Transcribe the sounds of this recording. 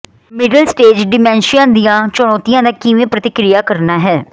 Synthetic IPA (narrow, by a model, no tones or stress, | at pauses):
mɪɖəlsʈeːd͡ʒɖɪmɛ̃ːnʃɪjãːd̪ijãːt͡ʃʊɽ̃ɔːt̪ijãːd̪aːkiʋẽːpɾət̪ɪkɾɪjaːkəɾnaːɦɛː